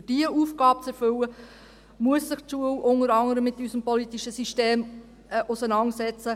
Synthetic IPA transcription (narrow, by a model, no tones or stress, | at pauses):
d̥iəuːfɡ̥ɑːp̚t͡sɛɾfʏlə | muəsːɪχtʃuəlʊnəɾɑŋəɾəmːɪt̪ːysəmpɔlit̪iʃəsiʃteːm | ʔʊsənɑnsɛt͡sə